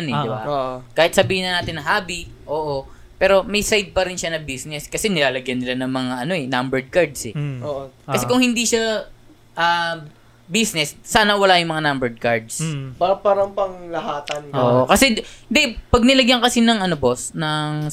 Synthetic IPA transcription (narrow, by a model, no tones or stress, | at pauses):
nɛd̪ɪba̰kaːhɪt̪sɐbiːhɪnɐnaːt̪ɪnːɐŋhaːbi | ʔo̞ːʔo | pɛːɾo̞mɐjsajd̪̚pɐɾɪnʃanɐbisnɛskɐsɛnɪlaːlɐɡjɐnːɪlanɐŋmɐŋaʔɐno̞ɛnambɛɹd̪̚kaɹd̪sɛoːkɐsɛkʊŋhɪnd̪iʃɐ | ʔaː | bisnɛsːaːnɐwɐlajʊŋmɐŋanambɛɹd̪̚kaɹd̪sbapaːɾɐŋpɐŋlɐhaːt̪ɐnʔoːʔokɐsɛɪnd̪ɛpɐɡ̚nɪlɐɡjaŋkɐsinɐŋʔɐnobo̞snɐŋ